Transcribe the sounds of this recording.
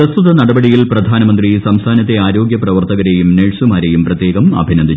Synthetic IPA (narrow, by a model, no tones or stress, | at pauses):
ɾɐst̪ʰuðɐnɐɽɐbɐɽijilprɐd̪ʱaːnɐmɐnd̪risɐmst̪ʰaːnɐt̪ːe̞aːɾo̞ːɡjɐprɐʋɐrt̪ɐɣɐɾejumneːɻsumaːɾejumprɐt̪ːjeːɡɐmɐ̰bʱinɐnd̪ʱi